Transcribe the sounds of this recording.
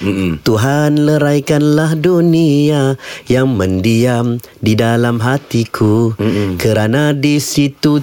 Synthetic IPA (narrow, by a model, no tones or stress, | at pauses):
t̪uɦanləɾajkanlahduniajaŋmə̃ndiam | didalamɦat̪ikʰukəɾanadisit̪u